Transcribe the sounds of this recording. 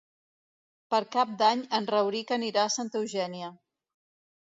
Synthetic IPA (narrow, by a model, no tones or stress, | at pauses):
pəɾkap̚d̪aɲənrəwɾikəniɾasant̪ewʒɛniə